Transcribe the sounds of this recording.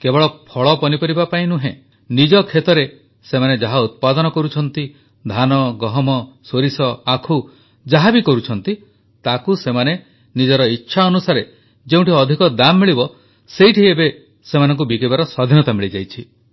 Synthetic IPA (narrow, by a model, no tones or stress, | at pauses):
kebɔɭɔpʰɔɭɔpɔnipɔɾibapaĩnuɦḛ̃ | nid͡ʒɔkʰet̪ɔɾe | semaned͡ʒaɦaut̪̚pad̪ɔnɔkɔɾut͡ʃʰɔnt̪i | d̪ʱanɔɡɔɦɔmɔsoɾisɔakʰu | d͡ʒaɦabikɔɾut͡ʃʰɔnt̪i | t̪akusemane | nid͡ʒɔɾɔitːʃʰaɔnusaɾe | d͡ʒeũʈiɔd̪ʱikɔd̪amːiɭibɔ | sejʈʰiebe | semanɔ̃ŋk̬ubikebaɾɔsɔd̪ʱinɔt̪amiɭid͡ʒajt͡ʃʰi